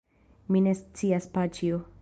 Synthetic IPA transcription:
minest͡siaspat͡ʃio

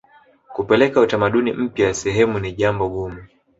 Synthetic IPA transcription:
kupɛlɛkautamaɗunim̩pjajasɛɦɛmuniʄambɔɡumu

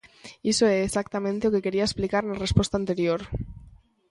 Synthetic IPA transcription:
isoeːsak̚t̪amẽnt̪eoke̞ke̞ɾiaesplikaɾnarespwe̞st̪ant̪e̞ɾjoɾ

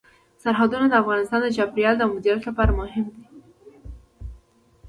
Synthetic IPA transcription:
saɾɦad̪unad̪əafɣɑnɪst̪ɑnd̪əd͡ʒɑbɾijɑld̪əmʊd̪ɾjat̪lapɑɾamʊɦɪmd̪i

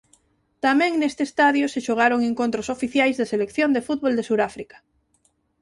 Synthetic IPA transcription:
t̪amɛ̃ŋnest̪eːst̪aðjoseʃoɣ̞aɾoŋeŋkõnt̪ɾosofiθjajzðɐselekθjond̪efut̪̚βold̪esuɾafɾikḁ

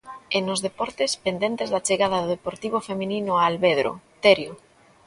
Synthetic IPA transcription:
enozðepɔɾt̪espend̪ent̪ezðat͡ʃeɣaðɐðoðepoɾt̪iβ̞ofemĩninʊaːlβeðɾo̰t̪eɾjo

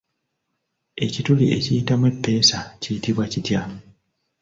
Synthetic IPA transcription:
e̞cituliʔe̞̰cijitamwepːe̞ːsacijitiβwacitja

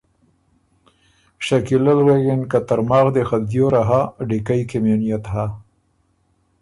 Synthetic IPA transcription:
ʃakilalɣeɡenkat̪aɾmɑːɣd̪exad̪joɾaɦaɖikajkemenijat̪ha

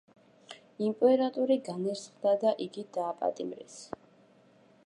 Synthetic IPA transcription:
impʼɛɾat̪ʼuɾiɡanɛɾsχd̪ad̪aʔiɡid̪aːpʼa̰t̪ʼimɾḭs

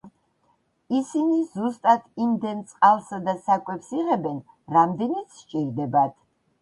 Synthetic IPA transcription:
isinizust̪ʼat̪ʰimd̪ɛnt̪sʼqʼalˠsad̪asakʼɛpsiʁɛbɛn | ɾamd̪ɛnit̪sʃt͡ʃʼiɾd̪ɛbat̪ʰ

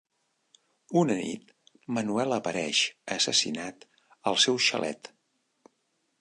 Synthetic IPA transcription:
unənḭt̪ | mənuɛləpəɾɛʃəsəsḭnat̪ | əlˠsɛwʃə̰lʔɛ̰t̪

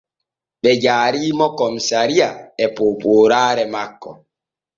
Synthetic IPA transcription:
ɓɛd͡ʒaːɾiːmɔkɔmsaɾijaɛpoːpoːɾaːɾɛmakːɔ

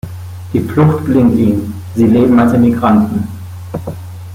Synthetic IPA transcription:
d̥iːflʊxtɡ̥lɪŋtiːm | ziːleːbm̩alsdenmiɡʁantn̩

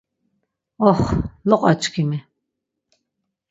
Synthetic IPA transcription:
ɔχlɔqʼat͡ʃʰʼkʰimi

